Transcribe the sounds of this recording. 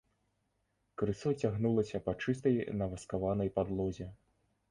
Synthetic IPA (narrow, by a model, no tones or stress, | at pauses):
kɾɨsɔt͡sʲaɣnulˠɐsʲɐpɐt͡ʂɨst̪ɐjnɐvɐskavanɐjpad̪lˠɔzʲɛ